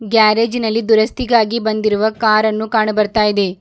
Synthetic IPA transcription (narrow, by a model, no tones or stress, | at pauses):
ɡaːɾeːd͡ʒinɐlːid̪uɾɐst̪iɡaːɡibɐnd̪iɾuʋɐkaːɾɐnːukaːɳɐbɐɾt̪aːjid̪e̞